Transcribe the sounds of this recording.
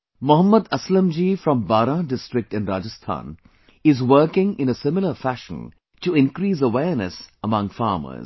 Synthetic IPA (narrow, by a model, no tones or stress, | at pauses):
mʊɦəmːəd̪ɐslə̃md͡ʒiːfɾɔ̃mbaːɾãɖɪsʈɾɪk̚ʈɨ̃nɾaːd͡ʒəst̪ʰã̰ːn | ɪzʋəːkɪ̃ŋɪ̃nəsɪmɪləfæʃə̰̃n | ʈuɪ̃nkɾiːs̬əʋɛːɾnə̰səmʌ̃ŋfa̰ːmə̰z